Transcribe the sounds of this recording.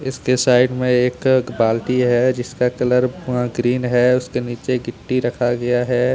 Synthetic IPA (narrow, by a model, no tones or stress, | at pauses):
ɪskesaːɪɖmẽeːkbaːlʈiɦɛd͡ʒɪskakɐləɾɡɾiːnɦɛʊskeniːt͡ʃeɡɪʈːiɾɐkʰaɡɐjaɦɛː